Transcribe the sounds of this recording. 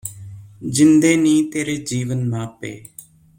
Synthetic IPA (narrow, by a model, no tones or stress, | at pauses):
d͡ʒɪnd̪eːnĩːt̪eːɾeːd͡ʒiːʋənmãːpḛː